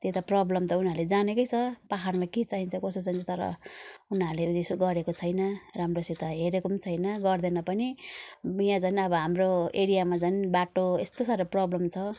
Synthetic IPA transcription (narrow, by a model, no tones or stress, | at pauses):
t̪et̪aprʌblʌmt̪ʌunaɾled͡zanekʌjt͡sʰʌpaɦarmakit͡saɦint͡sʰʌkʌsot͡sant͡sʰʌt̪ʌɾʌ̰unɦaɾled̪esɡʌɾekot͡sʰʌjnʌramrosit̪aɦeɾekomt͡sʰʌjnʌɡʌrd̪ʌnʌpʌni | jãt͡sanʌbʌɦamroeɾijamad͡zanbaʈoest̪osaɾoprʌblʌmt͡sʰʌ